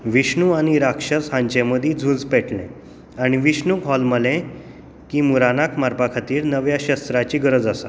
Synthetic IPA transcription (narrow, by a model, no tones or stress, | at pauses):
ʋiɕɳuaɽ̃iɾakʂət͡sɦãɲt͡ɕeməd̪ʱĩd͡zʱud͡zpɛʈɳḛ | aɽ̃iʋiɕnukɦɔlməlẽ | kiːmuɾanakmaɾpakʰat̪iːɾnəʋjaɕəst̪ɾat͡ɕiːɡəɾəd͡zasa